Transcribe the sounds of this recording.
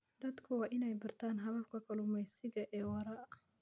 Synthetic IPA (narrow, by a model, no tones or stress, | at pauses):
d̪ɐd̪kʰʊwɑːʔɪnɛjbɐrt̪ʰaːnɦɐβɐfkʰɐkʰɐlʊmɛjsɪɣɐʔɛːwɐɾɐ